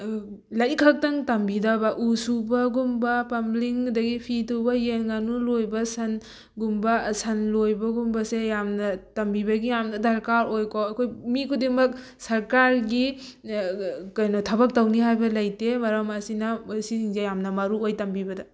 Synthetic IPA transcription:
lɐjkʰɐk̚tɐŋtɐmbidɐbɐʔusubɐɡumbɐpɐmliŋdɐɡipʰitubɐjenŋanulojbɐsɐn | ɡumbɐsɐnlojbɐɡumbɐsejamnɐtɐmbibɐɡijamnɐdɐɾkaɾojkoɐkʰojmikʰudemɐk̚ | sɐɾkaɾɡi | kɐjnɔtʰɐbɐk̚tɐwniɦajbɐlɐjtemɐɾɐmɐsinɐosisiŋzejamnɐmɐɾuojtɐmbibɐdɐ

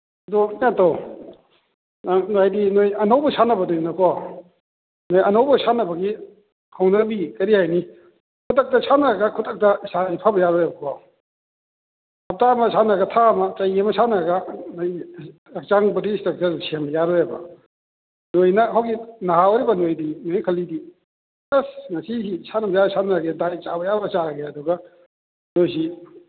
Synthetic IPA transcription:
dɔatɔ | najdinojɐnawbɐsanɐbɐdojnɐkʰɔa | nojɐnawbɐsanɐbɐɡi | kʰawnɐbikɐɾiajni | kʰutɐk̚tɐsʰanɐɡakʰutɐk̚tɐsaipʰabɐjaɾɔjabɐkʰɔa | ɐp̚tamɐsanɐɡɐtʰamɐt͡ʃɐjɐmɐsʰanɐɾɐɡɐnɐj | ɐk̚t͡ʃaŋbɐɾistɐk̚t͡ʃɐɾsembɐjaɾɔjebɐ̰ | nojnɐɦawɡinɐɦawɐɾibɐnojdinojkʰɐlːidi | kɐsnɐsisisʰanɐbɐjasʰanɐɾɐɡedajt͡ʃabɐjabɐt͡ʃaɾɐɡeɐduɡɐ | nojsi

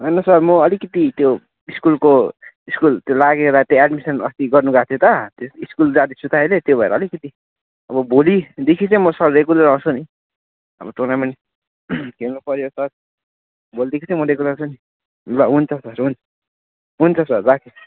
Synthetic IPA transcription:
ʌjnʌsʌɾmʌʌlikʌt̪it̪jo | iskulko | iskult̪jolaɡed̪at̪eaɖmisʌnʌst̪iɡʌrnuɡat̪ʰjot̪ʌt̪oiskuld͡zad̪isʰut̪aelet̪jobʱʌḛɾʌːlikʌt̪i | ʌbʌbolid̪ekʰit͡sʌ̃jmʌsʌɾrekulɾaũt͡sʰuni | ʌ̰bʌt̪onamʌni | kemopʌɾjosʌr | bolid̪ekʰit͡sʌ̃jmʌɾekulãt͡sʰuni | laɦunt͡sʰʌsʌɾɦunʰʌ | ɦunt͡sʰʌsʌrbakʰe

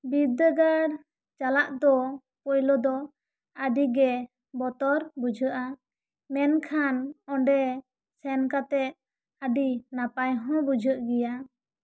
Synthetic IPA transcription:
bid̪əɡaɾ | t͡ʃalaʔd̪ɔ | pɔjlɔd̪ɔ | aɖiɡɛ | bɔt̪ɔɾbud͡ʒʱəʔa | mɛnkʰanɔ̃ɖɛ | sɛnkat̪ɛʔ̚ | aɖinapajɦɔ̃bud͡ʒʱəʔɡɛja

